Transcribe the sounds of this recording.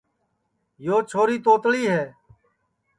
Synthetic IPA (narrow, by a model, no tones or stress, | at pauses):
joːt͡ʃʰoːɾiːt̪oːt̪ɭiːɦɛː